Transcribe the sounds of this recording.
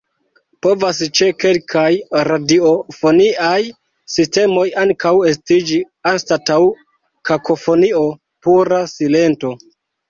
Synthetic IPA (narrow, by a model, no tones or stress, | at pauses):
po̞vast͡ʃe̞ke̞lkʰajɾadio̞fo̞niʔaj | siste̞mo̞jaŋkawe̞s̬tid͡ʒi | anstataw | kakʰo̞fo̞nio̞ | puɾasile̞nto̞